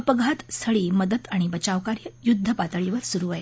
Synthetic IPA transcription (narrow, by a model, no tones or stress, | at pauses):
əpəɡʱat̪st̪ʰəɭiːməd̪ət̪aɽ̃ibət͡ɕaʋkaɾjəjud̪ʱːəpat̪əɭiʋəɾsuɾuaj